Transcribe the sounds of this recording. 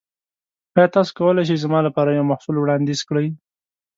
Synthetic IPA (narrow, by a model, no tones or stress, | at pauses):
ɑjɑt̪ɑso̥kawəlajʃ̬ejzamɑlapɑɾajawmahsulwɽɑnd̪izkɽəj